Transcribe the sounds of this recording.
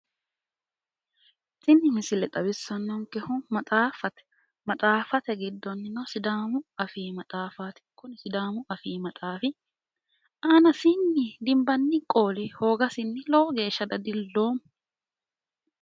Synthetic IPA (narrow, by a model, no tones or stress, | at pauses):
sɪnːɪhɪsɪlɛt̪ʼɐbɪsːɐnːɔŋkɛhʊmɐtʼaːfɐt̪ɛ̥ | mɐt̪ʼaːfɐt̪ɛɡɪd̪ːɔnːɪnɔsɪd̪aːmʊɐfiːmɐt̪ʼaːfaːt̪ɪ̥kʊnɪsɪd̪aːmʊʔɐfiːmɐt̪ʼaːfɪ | aːnɐsɪnːɪd̪ɪmbɐnːɪkʼoːlɪho̞ːɡɐsɪnːɪlɔɔɡe̞ːʃːɐd̪ɐd̪ɪlːo̞ːm